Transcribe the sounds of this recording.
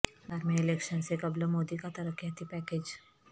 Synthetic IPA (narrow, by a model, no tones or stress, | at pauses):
aːɾmiɪleːkʃənsekɐbləmoːd̪ikat̪ɐɾəkjat̪ipɛːked͡ʒ